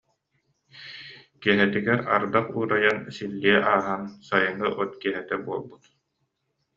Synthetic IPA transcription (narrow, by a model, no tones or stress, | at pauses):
kiɛɦɛt̪iɡɛɾa̰ɾd̪aχuːɾajansilːiɛʔaːɦansajɯŋɯʔɔt̪kiɛɦɛt̪ɛbuɔlˠbut̪